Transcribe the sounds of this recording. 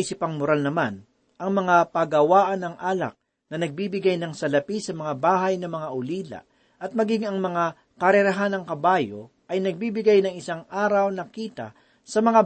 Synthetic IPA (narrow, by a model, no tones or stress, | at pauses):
isɪpɐŋmʊɾalnɐman | ʔɐŋmɐŋapɐɡɐwaːʔɐnɐŋʔaːlɐ̰k̚ | nɐnɐɡ̚biːbɪɡajnɐŋsɐlɐpisɐmɐŋabaːɦɐjnɐmɐŋaʔʊliːlɐ̰ | ʔɐt̪̚mɐɡiŋɐŋmɐŋa | kɐɾɛɾɐɦanɐŋkɐbaːjo | ʔɐjnɐɡ̚bibɪɡajnɐŋɪsaŋʔaːɾɐwnɐkiːt̪ɐ̰ | sɐmɐŋa